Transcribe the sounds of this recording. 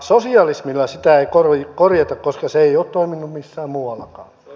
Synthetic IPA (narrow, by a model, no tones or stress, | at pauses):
sosiɑlismilːɑsit̪æeikorʋkorjɑt̪ɑkkoskɑseeioːt̪t̪oiminːummisːæːmmuːɑlːˑɑkɑ̰ː